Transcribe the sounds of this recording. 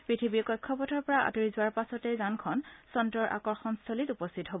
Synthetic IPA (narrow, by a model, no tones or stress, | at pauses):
pɹitʰibikɔjkʰːɔpɔtʰɔɹpɔɹaa̰toɹizʊwaɹpasɔtejzankʰɔnsɔntɹɔɹʔa̰kɔɹxɔnstʰolitupɔstʰitɦobɔ